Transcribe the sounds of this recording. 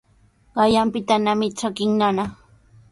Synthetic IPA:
ɢɑjampɪt̪anamɪt͡ʃakɪŋnanaχ

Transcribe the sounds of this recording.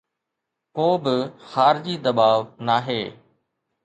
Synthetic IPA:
koːbɪxaːɾɪd͡ʑiːd̪ɐbaːʋnaːɦeː

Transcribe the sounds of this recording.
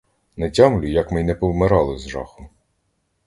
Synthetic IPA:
nɛtʲamlʲʊjɐkmɪjnɛpɔwmeɾɑlˠɪzʒɑ̰xʊ

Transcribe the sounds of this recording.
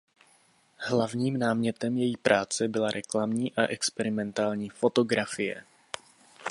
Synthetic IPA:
hlavɲiːmnaːmɲɛt̪ɛmjɛjipɾʔaːt͡sɛbɪlaɾʔɛklamɲiːʔaʔɛkspɛɾɪmɛnt̪aːlɲiːfo̞t̪o̞ɡɾafɪjɛ̰

